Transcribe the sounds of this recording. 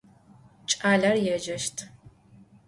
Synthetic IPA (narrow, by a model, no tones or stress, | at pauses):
t͡ʃʼaːɮɐrjɛʒɐʃtʰ